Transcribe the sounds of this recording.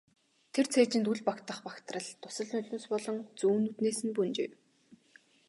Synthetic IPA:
t̪ʰert͡sʰeːt͡ɕɪ̆nt̪uɮpakt̪ə̆χpakt̪rə̆ɮt̪ʊ̥sə̆ɮʊnɮʲnuːspɔɮɞ̆ŋt͡suːnut̪neːsɘ̆npunt͡ɕḛːw

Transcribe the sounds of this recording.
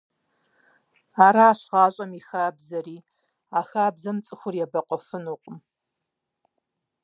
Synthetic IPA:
aːɾaːɕʁɑːɕʼɐmixaːbzɐriː | aːxaːbzɐmt͡sʼɨxʷʊrjɛbɐqʷʼɔfɨnuːqʷʼʊm

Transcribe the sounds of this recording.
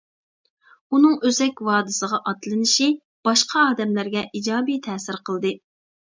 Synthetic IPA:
unɨŋøzɛkʲwɑːd̪ɨsəʁɑʔɑt̪lɨnɪʃi | b̥ɑʃqʰɑɑːd̪ɛmlæɾɡʲɛʔid͡ʒɑːbijt̪ʰɛːsɪɾqʰəlˠd̪ɨ

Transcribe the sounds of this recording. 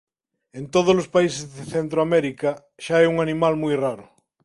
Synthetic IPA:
ẽnt̪oð̞ozlospaisezðeθent̪ɾoamɛɾika | ʃaɛuŋanimalmujraɾʊ

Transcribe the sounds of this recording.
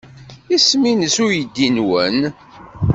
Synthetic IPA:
isminəsʊɾjəd̪ːinwən

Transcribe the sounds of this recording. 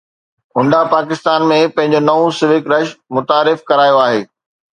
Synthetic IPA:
ʊ̃ɳɖapaːkɪst̪aːnmẽpɐ̃ɦɪ̃ɲ̆d͡ʑonɐʋũsɪʋɪkɾɐʃmʊt̪aːɾɪfkɐɾaːjoaːɦeː

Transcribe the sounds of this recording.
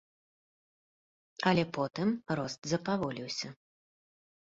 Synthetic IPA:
ɐlʲɛpɔt̪ɨmrɔst̪zɐpavɔlʲiwsʲɐ

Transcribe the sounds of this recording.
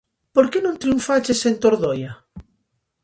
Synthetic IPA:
poɾkenõŋt̪ɾiuɱfat͡ʃesent̪oɾðoja

